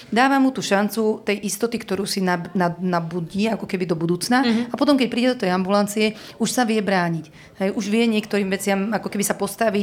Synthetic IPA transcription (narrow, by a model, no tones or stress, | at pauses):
d̪aːʋamːut̪uːʃant͡sut̪ɛjʔist̪ɔt̪ikt̪ɔɾuːsinananabuɟiakɔkɛbid̪ɔbud̪uːt͡snaapɔt̪ɔmkɛc̚pɾiːɟɛd̪ɔt̪ɛjambulant͡siɛ | uʃsaʋɪɛbɾaːɲic | ɦɛjʔuʒʋɪɛɲɪɛkt̪ɔɾiːmʋɛt͡sɪamakɔkɛbisapɔst̪aʋi